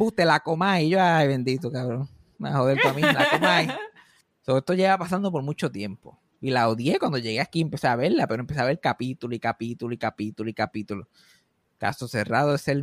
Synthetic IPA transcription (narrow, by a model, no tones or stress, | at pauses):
but̪elakomajʝoajβend̪it̪okaβɾoŋ | ma̰hoðelt̪amilaakomaj | soest̪oʝeβapas̬and̪o̞p̬o̞ɾmũt͡ʃo̞t̪je̞mpo̞̰ | ilawðjekwand̪o̞ʝe̞ɣeakiempe̞seaβe̞ɾlapeɾoempeseaβelkapit̪uloikapit̪uloikapit̪uloikapit̪ulo | ka̰sose̞raðoesel